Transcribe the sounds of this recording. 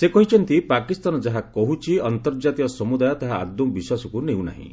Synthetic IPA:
sekɔɦit͡ʃʰɔnt̪ipakist̪anɔd͡ʒaɦakɔɦut͡ʃʰiɔnt̪ɔɾd͡ʒat̪ikɔsɔmud̪ajɔt̪aɦa̰ːd̪ɔ̃biswasɔkunew̃na̰ɦḭ̃

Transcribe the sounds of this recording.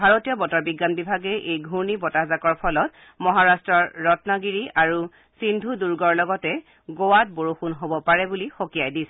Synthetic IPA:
bʱaɹotijɔbɔtɔɹbiɡːanbibʱaɡɛʔejɡʱuɹnibɔtazakɔɹpʰɔlɔt̚ | mɔɦaɹastɹɔɹːɔtnaɡiɹiʔaɹu | sindʱuduɹɡɔɹlɔɡɔtɛ | ɡowat̚boɹuxunɦobɔpaɹɛbulixokijajdisɛ

